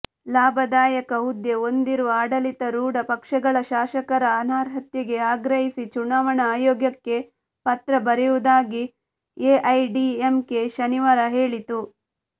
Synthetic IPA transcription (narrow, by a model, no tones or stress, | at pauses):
laːbʱɐd̪aːjɐkɐud̪jeo̞nd̪iɾuʋɐaːɽɐlit̪ɐɾuːɽɐpɐkʂɐɡɐɭɐʃaːʃɐkɐɾɐːnaːɾɦɐt̪jɐɡe̞aːɡɾɐɦisit͡ʃunaːʋɐɳɐaːjoːɡjɐkːe̞ | pɐt̪ɾɐbɐɾiʋud̪aːɡi | eːʔɐjɖiemke̞ʃɐniʋaːɾɐɦeːɭit̪u